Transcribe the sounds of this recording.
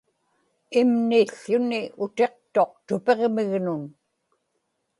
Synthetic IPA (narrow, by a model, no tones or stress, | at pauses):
imniɬːʊniʊt̪e̞q̚t̪o̞q̚t̪ʊpe̞ʁmɪɣnʊn